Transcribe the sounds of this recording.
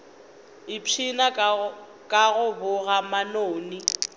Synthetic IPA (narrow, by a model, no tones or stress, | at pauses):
ɪpʰina | kʼaɣʊbʊɣamanoːni